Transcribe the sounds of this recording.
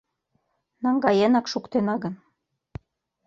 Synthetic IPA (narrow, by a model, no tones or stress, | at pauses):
nɑŋɡɑjenɑkʃukt̪enɑɣɤ̆n